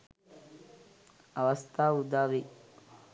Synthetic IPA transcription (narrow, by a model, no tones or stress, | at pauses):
ɐʋɐst̪ʰaːud̪aːʋe